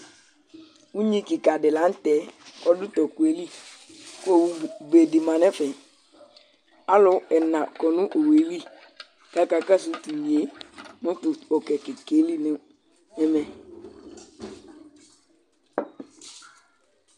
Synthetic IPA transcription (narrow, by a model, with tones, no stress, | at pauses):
u˦ɲĩ˦kɪ˨ka˨dɪ˨la˨˦n̩˦tɛ˦ɔ˦dʊ˦tɔ˨kwe˨li˦ | ko˦˨be˨di˨mã˨nɛ̃˦fɪ˨ | a˦lʊ˨ɛ˨nã˨kɔ˨nʊ̃˦ʔo˨we˨˦li˦ | ka˦ka˨ka˦s̬u˦tu˨mĩ˨e˨˦mʊ̃˦tʊ˨ɔ˨kɛ˨kɪ˨ke˨˦li˦nɪ̃˦ | ɛ˦mɛ˨